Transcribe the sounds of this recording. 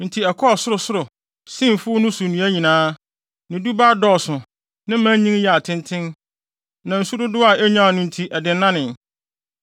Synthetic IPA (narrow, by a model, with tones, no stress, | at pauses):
n̩˨tʰi˨ɛ˨kʰɔ˦˨sʊ˦ɾʊ˨sʊ˦ɾʊ˨ | sĩ˦˨mfʊ˦nʊ̃˦su˨nĩ˨˦æ˦ɲĩ˨nãː˦ | nɪ̃˨du˦baː˦dɔ˨sʊ̃˨ | nɪ̃˦m̩˦mã˦ɲĩ˦ŋ˦jɛ˨a˨tʰɪ̃˦ntʰɪ̃˦n | nã˨n̩˨su˦dʊ˦dʊ˦a˨ɛ˦ɲã˦˨nʊ̃˨n̩˨tʰi˨ʔɛ˨dɪ̃˨n˦nːã˦nɪ̃˨n